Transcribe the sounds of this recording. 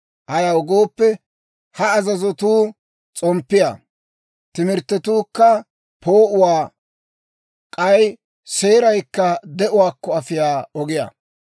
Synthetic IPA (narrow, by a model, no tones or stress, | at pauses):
hɐjɐwɔɡo̞ːpːɛ | hɐːzɐzɔt̪uː | t͡sʼɔmpːɪja̰ | t̪ɪmɪɾt̪ːɛt̪uːkːɐ | pʰoːʔʊwaː | kʼɐj | se̞ːɾɐjkːɐd̪ɛʔʊwaːkːɔɐfɪjaːɔɡɪja̰